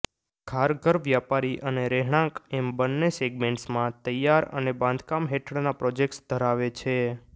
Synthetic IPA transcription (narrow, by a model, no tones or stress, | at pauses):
ɡʰʱaɾɡəɾʋʋjapaɾiʔəneɾeɦɽ̃ãkɛmbənːeseɡmẽɳʈsmãt̪əjaɾə̰nebãnd̪ʱkamɦeʈʰəɽnapɾɔd͡ʒek̚ʈsd̪ʱəɾaʋet͡ʃʰe